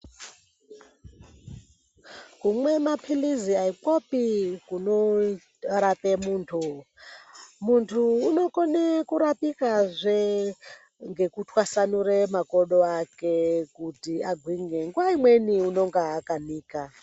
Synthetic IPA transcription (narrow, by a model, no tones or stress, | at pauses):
kumwemapʰiliziaipopikuno | ɾapemuːntʰu | muntʰuːnokonekuɾapikazʷe | ŋɡekutʰwasanuɾemakoɗoakekutiaɡʱwiŋɡeŋɡwaimweniunoŋɡaːkaniːka